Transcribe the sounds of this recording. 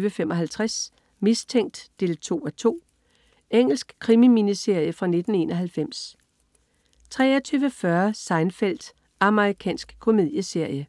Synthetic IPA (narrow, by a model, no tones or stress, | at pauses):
ʋəfemʔɒ̽ɦælt͡sʰʁas | mist͡sʰeŋ̰d̥ːe̝ːlt͡sʰo̝̰ːæt͡sʰo̝̰ː | eŋ̰l̩sɡ̥kʰʁimiminise̝ɐ̰jəfʁɑ̈ne̝d̥n̩e̝̰ːnɒ̽ɦælfem̰s | t͡sʰʁɛ̰ːɒt͡sʰyːʊʋəfɶɐsɑ̈ɪnfel̰d̥ | ɑ̈məʁikʰɛ̰ːnsɡ̥kʰo̝me̝ð̰ˠjəse̝ɐ̰jə